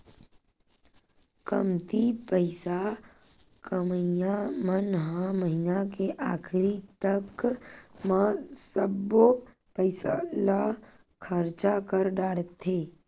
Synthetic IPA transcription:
kəmt̪ipəɪsa | kməjamənɦãməɦinakeʔaːkʰɾit̪ək | masəbo | pəɪsala | kʰəɾt͡ʃakəɾɖaːɽət̪ʰːeː

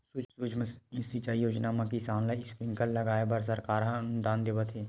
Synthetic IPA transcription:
sʊsud͡ʒsit͡ʃaːijoːd͡ʒnamãkisaːnlaːispɾɪ̃ŋkəlːɐɡaːebəɾs̬ɐɾkaːɾɦanʊd̪aːnd̪eːʋət̪ʰɦeː

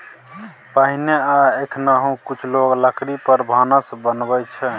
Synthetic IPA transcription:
pəɦineaekʰnaɦũkut͡ʃʰloɡləkʰɾipəɾbʱənəsbənbət͡ʃʰɛ

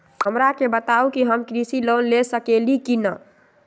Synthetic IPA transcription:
hɦəmɾakebət̪aukiɦəmkɾisilonlesəkelikinə

